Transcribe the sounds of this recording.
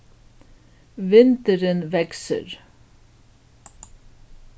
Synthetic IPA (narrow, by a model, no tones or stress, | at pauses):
ʋɪnt̪əɾənʋɛksə̰ɾ